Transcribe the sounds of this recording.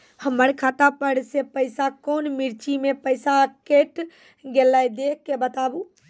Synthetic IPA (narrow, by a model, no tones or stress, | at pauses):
həməɾkʰaːt̪apəɽsepəɪsakonmiɾt͡ʃimepəɪsakeʈ | ɡelajd̪ekːebət̪aːbu